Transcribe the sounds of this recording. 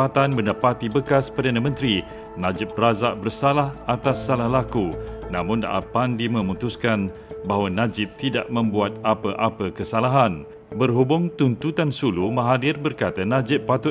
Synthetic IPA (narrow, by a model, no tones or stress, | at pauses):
at̪anbəndapat̪ibəkaspərdanãmə̃nt̪ɾi | nãd͡ʒɪp̚razaʔbərsalahat̪asːalahlakunãmʊ̃nda̰ʔa̰pandimə̃mũt̪uskan | baɦwanãd͡ʒɪp̚t̪ida̰ʔmə̃mbuat̪̚apəʔapəkəsalaɦan | bərɦubʊŋt̪unt̪ut̪ansulumãɦadɪrbərkat̪anãd͡ʒɪpːat̪ʊ